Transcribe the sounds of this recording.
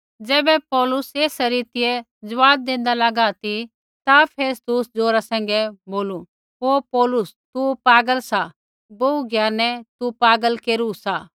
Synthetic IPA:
d͡ʒɛːbɛpɔːlʊseːsɾiːt̪ɪjɛ | d͡ʒɐʋaːb̚d̪ẽːn̆d̪alɐɡat̪i | t̪apʰeːst̪ʊsd͡zoːɾasɛ̃ːŋ̆ɡɛboːlu | ɦoːpɔːlʊst̪upaːɡəlsa | bouɡjaːnɛt̪upaːɡəlkeːɾusa

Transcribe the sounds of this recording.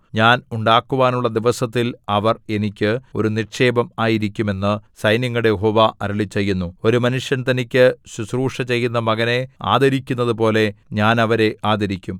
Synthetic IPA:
ɲaːnuɳɖaːkːuʋaːnuɭːɐd̪iʋɐsɐt̪ːilɐʋɐre̞nikʲːɨo̞̰ɾunirʂe̞ːbɐmaːjiɾikʲːume̞nːɨsɐjnjɐŋːɐɽejeɦo̞ːʋaʔɐɾɐɭit͡ɕːe̞jːunːuo̞ɾumɐnuʂjɐnt̪ɐnikʲːɨsusruːʂɐt͡ɕe̞jːunːɐmɐɣɐne̞a̰ːd̪ʱɐɾikʲːunːɐðɨpo̞ːle̞ɲaːnɐʋɐɾe̞ʔaːd̪ʱɐɾikʲːum

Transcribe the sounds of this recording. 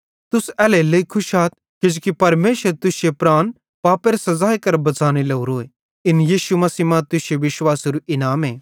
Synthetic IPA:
t̪ʊsɛːlelɐikʰʊʃaːt̪̚ | kɪd͡ʒkipɐɾmeːʃəɾt̪ʊsjepɾaːn | paːpeːɾsɐzaːekɐɾbɐt͡saːñelɐuɾoːe | ɪnjiːʃumɐsiːmãt̪ʊseʋɪʃwaːsɾuʔɪnaːmeː

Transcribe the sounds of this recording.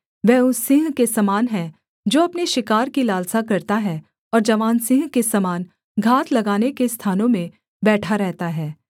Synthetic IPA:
ʋɛːʊsːɪ̃ŋɡkesɐmaːnɦɛ̃ | d͡ʒoːɐpneʃɪkaːɾkilaːlsakɐɾt̪aɦɛ | ɔːɾd͡ʒɐʋaːnsɪ̃ŋɡkesɐmaːn | ɡʱaːt̪ʰlɐɡaːnekest̪ʰaːnõmẽ | bɛːʈʰaɾɛɦt̪aɦɛː

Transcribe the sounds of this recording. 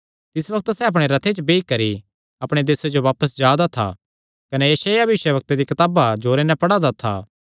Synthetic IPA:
t̪ɪsbɐk̚t̪sɛɐp̬ɽ̃eɾɐt̪ʰet͡ʃbeːikɐɾi | ɐpɽ̃ed̪eːsed͡ʒoʋaːpəsd͡ʒjaːd̪at̪ʰa̰ | kɐnɛjɐʃaːjabʋɪʃjəʋɐk̚t̪ed̪ikɐt̪aːbad͡ʒoːɾenɛpɐɽad̪at̪ʰa̰ː

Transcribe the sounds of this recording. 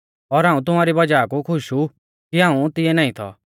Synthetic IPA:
ɔɾɦãːũt̪̬ʊmaːɾibɐd͡ʒaːkukʰʊʃu | kiɦãːũt̪ɪɛnaːĩt̪ʰɔ̰

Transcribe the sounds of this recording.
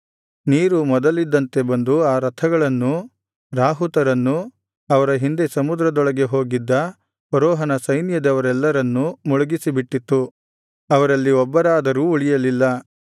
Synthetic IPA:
niːɾumɔd̪ɐlid̪ːɐnt̪e̞bɐnd̪uaːɾɐt̪ʰɐɡɐɭɐnːu | ɾaːɦut̪ɐɾɐnːu | ɐʋɐɾɐɦind̪e̞sɐmud̪ɾɐd̪ɔɭɐɡe̞ɦo̞ːɡid̪ːɐ | pɐɾɔːɦɐnɐsɐjnjɐd̪ɐʋɐɾɛlːɐɾɐnːumɔɭuɡisibiʈːit̪ːu | ɐʋɐɾɐlːiɔbːɐɾaːd̪ɐɾuːuɭijɐlilːɐ

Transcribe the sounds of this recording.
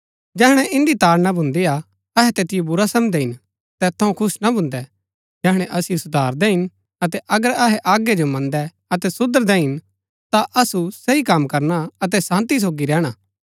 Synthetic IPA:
d͡ʒɛːɦɽ̃ɛʔɪ̃nd̪it̪aːɾnabʱʊ̃nd̪ia | ɐɦɛt̪eːt̪ɪjobʊɾasɐmd̪ɛɦɪn | t̪ɛːt̪ʰːɐũkʰʊsnabʱʊ̃nd̪ɛ | d͡ʒɛːɦɽ̃ɛʔɐsɪjosʊd̪ʱaːɾd̪ɛɦɪn | ɐt̪ɛʔɐɡəɾɐɦɛʔaːɡed͡ʒomɐ̃nd̪ɛ | ɐt̪ɛsʊd̪əɾd̪ɛɦɪn | t̪aʔɐsusɐikɐmkɐɾnaɐt̪̬ɛsãːnt̪is̬oːɡiɾɛːɽ̃aː

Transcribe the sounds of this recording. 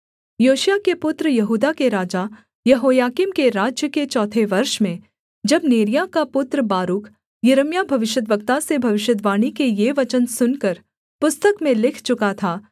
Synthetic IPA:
joːʃjakepʊt̪ɾəjɐɦuːd̪akeɾaːd͡ʒa | jɐɦoːjaːkimkeɾaːd͡ʒjəket͡ʃɔːt̪ʰeʋɐɾʃmẽ | d͡ʒɐbneːɾijakapʊt̪ɾəbaːɾuːk | jɐɾəmjabʱɐʋɪʃjəd̪ʋəkt̪asebʱɐʋɪʃjəd̪ʋaːɽ̃ikejeʋɐt͡ʃənsʊnkəɾ | pʊst̪əkmẽlɪkʰt͡ʃʊkat̪ʰaː

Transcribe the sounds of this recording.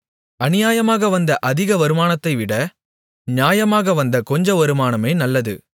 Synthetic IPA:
ɐnɪjaːjɐmaːɣɐʋɐnd̪ɐʔɐðɪɣɐʋɐɾɯmaːnɐt̪ːɐɪʋɪɽɐ | njaːjɐmaːɣɐʋɐnd̪ɐkɔɲd͡ʒɐ̃ʋɐɾɯmaːnɐmeːnɐlːɐðɯ̰

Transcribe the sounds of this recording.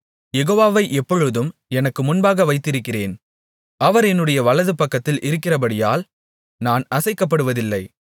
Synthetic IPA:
jɛɣoːʋaːʋɐɪʔɛpːɔɻɯðɯmɛnɐkːɯmʊnbaːɣɐʋɐɪt̪ːɪɾɯkːɪreːn | ɐʋɐɾɛnːɯɽɐjɐʋɐɭɐðɯpɐkːɐt̪ːɪlʔɪɾɯkːɪrɐbɐɽɪja̰ːl | naːnɐsɐɪkːɐp̬ːɐɽɯʋɐðɪlːɐɪ

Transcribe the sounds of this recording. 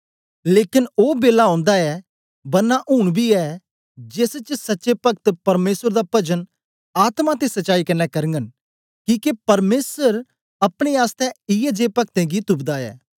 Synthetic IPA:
leːkɪnoːbeːlaɔ̃ːnd̪aɛ | bɐnːaʔʊɽ̃bʱiɛ | d͡ʒɪst͡ʃsɐtːʃepɐk̚t̪pɐɾmeːsəɾd̪apɐd͡ʒən | aːt̪mãt̪esɐtːʃaːikɐnːɛkɐɾə̃ŋɡən | kiːkepɐɾmeːsəɾ | ɐpɽ̃eaːst̪ɛɪjɛd͡ʒeːpɐk̚t̪ɛ̃ɡit̪ʊbd̪aɛ̰ː

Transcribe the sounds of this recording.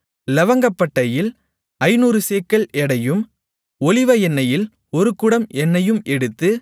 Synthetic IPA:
lɐʋɐŋɡɐpːɐʈːɐjɪl | ɐɪnuːɾɯseːkːɐɭʔɛɽɐjɯm | ɔlɪʋɐɛnːɐjɪl | ɔɾɯkɯɽɐmɛnːɐjɯmɛɽɯt̪ːɯ

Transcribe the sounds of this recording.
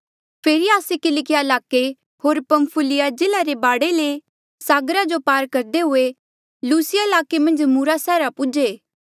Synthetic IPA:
pʰeːɾiaːsekɪlɪkɪjaɪlaːke | ɦoːɾpɐ̃mpʰʊlɪjad͡ʒɪlaɾebaːɽele | saːɡɾad͡ʒopaːɾkɐɾd̪eɦʊe | luːsɪjaɪlaːkemɐ̃nd͡ʒmuɾasɛːɾapʊd͡ʒeː

